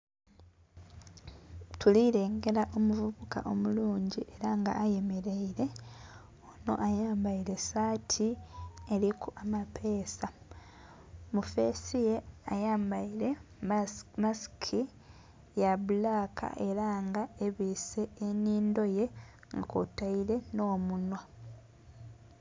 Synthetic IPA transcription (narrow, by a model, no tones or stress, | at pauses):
tʰuliɾe̞ːŋɡe̞ɾaʔo̞muvuβuka̰ʔo̞muluːɲɟiʔe̞ɾaŋɡa̰ːje̞me̞ɾe̞iɾe̞ | ono̞̰ʔajaːmbaile̞saːtʰie̞ɾikuamapʰe̞ːsa | mufe̞ːsijeajaːmbaiɾe̞ | maskʰi | jaβulaːkʰa̰ʔe̞ɾaŋɡae̞βise̞ːniːndo̞je̞ | ŋɡako̰taile̞no̞ːmunwa